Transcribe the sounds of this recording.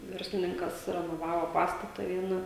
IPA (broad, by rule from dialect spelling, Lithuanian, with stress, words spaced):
ˈʋʲɛrʲsʲlʲɪnʲɪŋkɐs rʲɛnoːˈʋɑːʋoː ˈpɑːstɐtɐ ˈʋʲiɛnɐ